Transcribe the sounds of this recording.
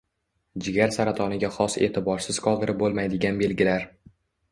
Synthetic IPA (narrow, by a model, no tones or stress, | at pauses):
d͡ʒɪɡʲaɾsaɾat̪ʰɒnɪɡʲaχɒse̞̰ːt̪ʰɪbɒɾsɪz̥qʰɒlˠd̪ɪɾɪp̚bolˠmajd̪ɪɡʲanbe̞lɡʲɪlaɾ